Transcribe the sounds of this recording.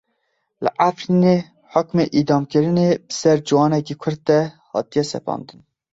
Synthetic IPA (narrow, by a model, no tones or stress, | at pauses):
lɨ̰ʔafɾiːne | ħʊkmeːʔiːd̪ɑːmkɨɾɨneːbɨsɛɾd͡ʒɨwɑːnɛkikʰʊɾd̪̚t̪ɛhɑ̰ːt̪ijɛsɛ̰pʰɑ̰ːnd̪ɨn